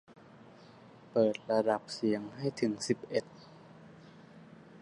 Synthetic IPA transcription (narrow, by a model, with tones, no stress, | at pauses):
pɤː˨˩t̪̚ɾa˧da˨˩p̚si˩˦əŋha˥˩jt̪ʰɯ˩˦ŋsi˨˩p̚ʔe˨˩t̪̚